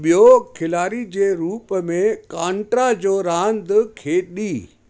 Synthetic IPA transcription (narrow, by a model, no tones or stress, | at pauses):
ɓijoɡkʰɪlaːɾid͡ʑeːɾuːpmẽkãːɳʈɾad͡ʑoːɾãːnd̪kʰeːɗiː